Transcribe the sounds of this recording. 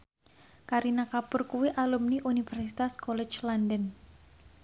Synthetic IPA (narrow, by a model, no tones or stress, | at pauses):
kaɾinakapʊrkuwiʔalumniʔunifɛrsit̪askɔlɛt͡ʃlandən